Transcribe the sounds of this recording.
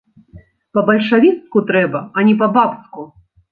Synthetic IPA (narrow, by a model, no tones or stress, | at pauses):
pɐbɐlʲʂavʲit̪skut̪ɾɛbɐɐnʲɛp̬ɐbapsku